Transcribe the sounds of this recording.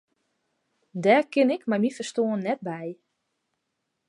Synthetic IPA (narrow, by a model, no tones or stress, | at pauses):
dɛːrkɪnɪkmajmifərstoːənːɛt̚bɛj